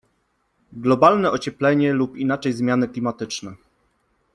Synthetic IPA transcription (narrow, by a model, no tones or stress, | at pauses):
ɡlɔbalnɛʔɔt͡ɕɛplɛɲɛlupinat͡ʂɛjzmʲjanɘklʲimat̪ɘt͡ʂnɛ